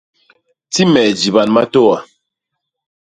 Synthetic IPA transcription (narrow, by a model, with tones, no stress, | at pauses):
ti˦mɛ˨d͡ʒi˨ba˨nma˦to˦wa˨